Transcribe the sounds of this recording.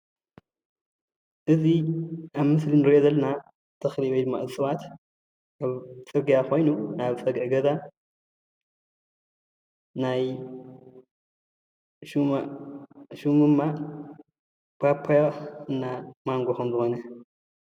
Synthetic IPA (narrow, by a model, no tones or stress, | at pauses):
ʔɨziaβmɨslinɨɾiʔozɐlːɐna | t̪ʰɐxliwojd̪ɨmːa̰ɨzɨsʼɨwat̪ | aβt͡sʼɨɡijako̞jnuaβt͡sʼɐɡʔɡɐza | naj | ʃua | ʃumɨmːa | pʰapʰːajaɨnːamaŋɡoxɐmzɨxo̞nɐ